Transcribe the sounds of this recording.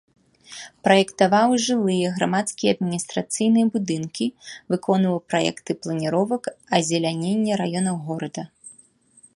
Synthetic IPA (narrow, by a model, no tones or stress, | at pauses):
pɾɐjɛkt̪avawʐɨlˠɨjɛɣɾamat̪skʲijɛɐd̪̚mʲinʲist̪ɾat̪sɨjnɨjɛbud̪ɨnkʲivɨkʰɔnvɐwpɾajɛ̰kt̪ɨplˠɐnʲiɾɔvɐkɐzʲɛlʲanʲenʲːɛɾajɔnɐwɣɔɾɐd̪ɐ